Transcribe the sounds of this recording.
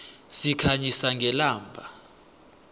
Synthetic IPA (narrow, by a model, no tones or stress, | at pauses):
sikʰaɲisaŋɡʱɛlaːmbʱa